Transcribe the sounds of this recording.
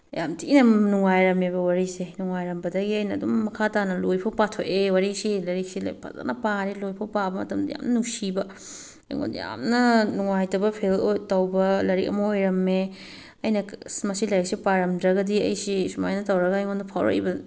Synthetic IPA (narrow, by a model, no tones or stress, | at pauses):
jamtʰinɐnuŋajɾɐmebɐwaɾisenuŋajɾɐmbɐdɐɡiɐjnɐːdumːɐkʰatanɐlojpʰɐwpatʰoʔewaɾisilɐɾik̚silɐ̰pʰa̰za̰nɐpaɾilojpʰɐwpabɐmɐ̰tɐmdɐja̰mnɐnuŋsibɐ̰ | ŋo̰nd̰ja̰mnɐnuŋajtɐbɐpʰelotɐwbɐlɐɾik̚ɐ̰mɐojɾɐmːe | ɐjnɐsmɐsilɐjɾɐk̚sipaɾɐmdɾɐɡɐdiɐ̰jsisumajnɐtɐwɾɐɡɐjŋondɐpʰa̰wɾɐ̰kḭbɐ